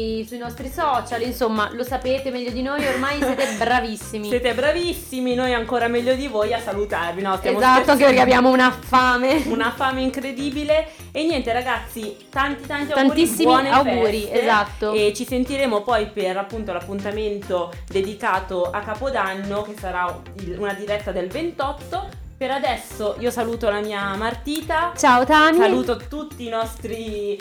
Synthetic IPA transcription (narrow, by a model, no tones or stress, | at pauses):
isuinɔst̪ɾisɔːt͡ʃalinsomːalosapeːt̪emɛʎːod̪inojormajsɛːt̪ebɾavisːimsijɛːt̪ebɾavisːiminojaŋkoːɾamɛʎːod̪ivojasalut̪arvinɔst̪jamozat̪ːoaŋkepeɾrkeabjaːmounafaːmeunafaːmeiŋkɾed̪iːbile | enːjɛnt̪eɾaɡat̪sːit̪ant̪it̪ant̪iaanuːɾisbːimɔneawɡuːɾiezat̪ːoet͡ʃisent̪iɾeːmopɔjperapːunt̪olapːunt̪ament̪o | d̪ed̪ikaːt̪oʔakːaːpod̪anːok̟esːaɾa | ilunad̪iɾɛt̪ːad̪elvent̪ɔt̪ːo | peɾad̪ɛsːoʔiːosaluːt̪olamiːamart̪iːt̪at͡ʃaot̪amisaluːt̪ot̪ut̪ːiːnɔst̪ɾi